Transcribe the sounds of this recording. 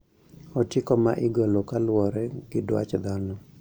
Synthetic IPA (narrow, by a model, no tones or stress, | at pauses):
ɔtɪkɔmaʔɪɡɔlɔkalwɔɾɛɡ̥ɪdwa̰t͡ʃd̪anɔ